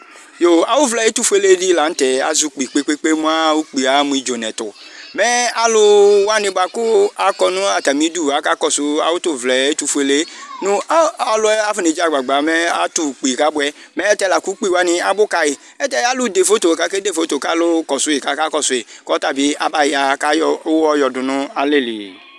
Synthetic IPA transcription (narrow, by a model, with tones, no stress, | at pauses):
jo˨a˨wʊ˦vlɛ˨˦i˦tu˦fe˦le˦di˦la˨n̩˦tɛ˨a̰˨zu˦k͡pi˨k͡pe˦k͡pe˦k͡pe˦mu˦a˦u˦k͡pi˨a˨˦mũ˨i˨d͡ʒo˨nɛ˨tʊ̰˨mɛ˦a˦lʊ˧wa˦nɪ˧˦ba˨kʊ˦a˨kɔ˧nʊ̃˦a˨ta˨mi˨˦du˦˨a˨˦ka˦kɔ˨sʊ˦a̰˨wʊ˦tʊ˦˨vlɛ˨e˦tu˧fu˦e˦le˦nʊ̃˦a˦ɔ˧lʊ˧˦ɛ˦a˦fi˦ne˨d͡ʒa˨ɡ͡ba˨ɡ͡ba˨˦mɛ˦a˦tu˦˨k͡pi˨ka˦bʊ˧˦ɛ˦mɛ˦tɛ˧˦la˨ku˦k͡pi˦˨wa˦nĩ˧a˦bʊ˦ka˧i˨ | ɛ˦tɛ˦a˦lʊ˦de˨fo˨˦to˨ka˨˦ke˦de˦˨fo˨˦to˨ka˨˦lʊ˦kɔ˨sʊ˨˦i˨ka˨˦ka˦kɔ˦˨sʊ˨e˨kɔ˦ta˦˨bi˨˦a̰˦ba˦˨ja˨˦ka˦jɔ˧˦ɔ˧jɔ˧˨dʊ˧nʊ̃˦a˨le˦˨lḭ˨